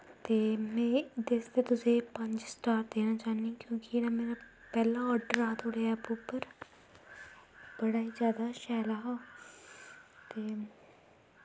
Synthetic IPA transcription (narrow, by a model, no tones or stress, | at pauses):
t̪eːmɛ̃ːd̪est̪eːt̪ʊsẽːpəɲd͡ʒsʈaːɾd̪eːnaːt͡ʃaːnĩkjõːkɪenaːmeːɾa | pɛːlãːɔːɾɖəɾaːt̪ʰoːɽeaɛpuːpəɾ | b̥əɽaːizjaːd̪aːʃɛːlaːɦaː | t̪eː